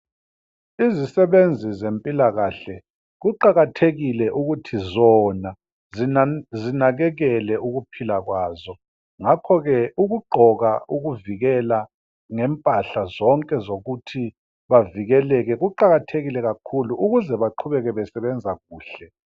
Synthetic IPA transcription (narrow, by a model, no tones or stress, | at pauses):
izisɛβend͡zʱizempʼilaɣaɬɛ | ɣuǃaɣatʰeɣilɛʔuɣutʰizɔna | zinaɣɛɣɛlɛuɣupʰilaɣwaːzɔ | ŋakʰɔɣɛʔuɣuɡ͡ǃʱɔɣauɣuviɣɛla | ŋɛmpʼaɬazɔŋkʼɛzoɣutʰi | βaviɣɛlɛɣɛɣuǃaɣatʰeɣilɛɣakʰuluʔuɣuzɛβaǃʰuβɛɣɛβɛsɛβɛnd͡zʱaɣuːɬɛ